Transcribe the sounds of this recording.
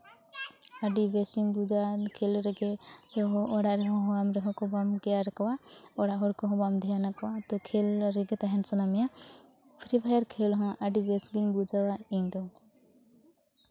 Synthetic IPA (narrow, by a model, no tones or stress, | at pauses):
aɖibesiŋbud͡ʒakʰelɾɛɡɛsɛɦɔʔɔɽaɾɛɦɔ̃ɦɔamɾɛɦɔ̃kɔbamɡɛjaɾɛkɔwaɔɽaɦɔɾkɔɦɔ̃bamd̪ʱɛjanakɔwat̪ɔkʰelɾɛɡɛt̪aɦɛnsənamɛja | pʰɾibajaɾkʰelɦɔ̃ʔaɖibɛsɡiŋbud͡ʒawaidɔ